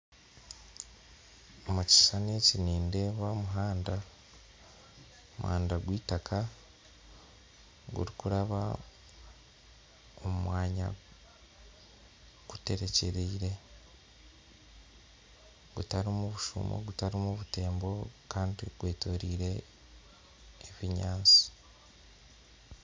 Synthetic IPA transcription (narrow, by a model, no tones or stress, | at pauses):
omuci̥saneciniːndeːβaomuɦaːnda | omṵha̰ːndaɡwiːtakʰa | ɡṵɾikuɾaβa | omumwaːɲa̰ | ɡ̥ute̞ɾe̞ce̞ɾeiɾe̞ | ɡ̥utaɾimuβuʃṵmo̰ɡutaɾimuβute̞ːmbo̞kaːndiɡ̥we̞ːto̞ɾiːɾe̞ | βiɲaːnt͡si̥